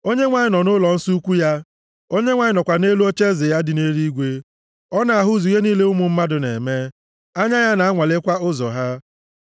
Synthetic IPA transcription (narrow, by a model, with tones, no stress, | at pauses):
o˦ɲe˦ŋʷa˨ɲɪ˨nɔ˨nʊ˦lɔ˨n̩˦su˦kʷu˦ja˦ | o˦ɲe˦ŋʷa˨ɲɪ˨nɔ˨kʷa˨ne˦lu˦o˦t͡ʃe˦zɪ˨ja˦dɪ˨ne˦ɾi˦ɡʷe˦ | ɔ˦na˨a˨ɦʊ˦zu˨˦e˦niː˦le˦ʊ˦mʊ˨m̩˦ma˦dʊ˨nḛ˨me˦ | a˦ɲa˦ja˦na˨a˦ŋʷa˨le˦kʷa˦ʊ˦zɔ˨ɦa˦